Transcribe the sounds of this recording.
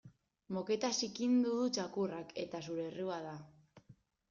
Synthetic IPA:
mo̞ke̞t̪asikind̪uðut͡ʃakurake̞t̪asuɾe̞ːriuað̞a

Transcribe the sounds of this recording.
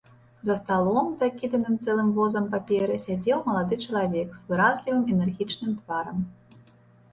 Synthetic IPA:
zɐst̪alˠɔmzakʲid̪ɐnɨmt̪sɛlˠɨmvɔzɐmpapʲɛɾɨsʲad͡zʲɛwmɐlˠad̪ɨt͡ʂɐlˠavʲɛkz̥vɨɾazʲlʲivɨmɛnɛrɣʲit͡ʂnɨmt̪vaɾɐm

